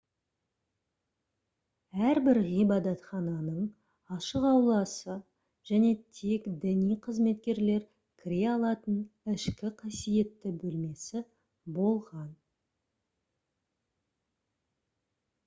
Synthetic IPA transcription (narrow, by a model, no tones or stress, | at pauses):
æɾbɪɾʁijbɑd̪ɑt̪χɑnɑnəɴ | ɑʃəqɑwlˠɑsə | ʒ̥æne̞t̪ʰekd̪ɪnijqʰəzme̞t̪kʲe̞ɾle̞ɾ | kʲʰɪɾe̞ɑlˠɑt̪ənɪʃkʲɪqʰɑsije̞t̪ːɪbɵlme̞sɪ | bo̞lˠʁɑn